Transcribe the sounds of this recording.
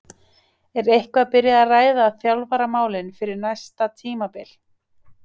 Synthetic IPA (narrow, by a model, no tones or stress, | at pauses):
ɛɾejhkvapɪɾjaðaraːjðaːθjawlvaɾamaːwlɪnfɪɾɪɾnajst̪at̪ʰiːmapɪl̥